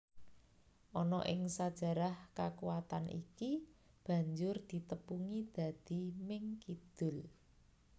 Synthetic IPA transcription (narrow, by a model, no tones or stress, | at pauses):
ʔɔnɔʔɪŋsad̥ʒ̥ä̤ɾahkakuwat̪anʔḭki | b̥ä̤ɲd͡ʒʊrd̪̥i̤t̪əpuŋid̪̥a̤d̪̥i̤mɪŋkid̪̥ʊ̤l